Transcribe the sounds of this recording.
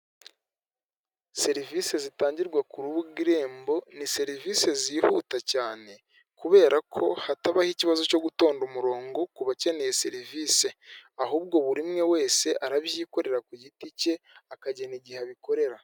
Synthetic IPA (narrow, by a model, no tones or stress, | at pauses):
se̞ɾivise̞zitaːɲɟiɾɡwakuɾuβuɡiɾe̞ːmbo̞nise̞ɾivise̞zihṵːtacaːne̞ | kuβe̞ːɾakʰo̞̰hataβahiciβazo̞co̞ɡuto̞ːndumuɾo̞ːŋɡo̞kuβace̞ne̞je̞se̞ɾiviːse̞aɦuːb̚ɡo̞βuɾimŋe̞we̞ːse̞ʔaɾaβjiːko̞ɾe̞ɾakujitice̞akaɟeniɟiheβiko̞ɾe̞ɾa